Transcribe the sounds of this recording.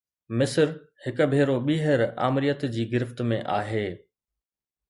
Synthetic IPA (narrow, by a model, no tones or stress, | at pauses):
mɪsɾ | hɪkbʱeːɾoɓiːɦəɾa̰ːmɪɾijət̪d͡ʑiːɡɪɾɪft̪mẽʔaːɦeː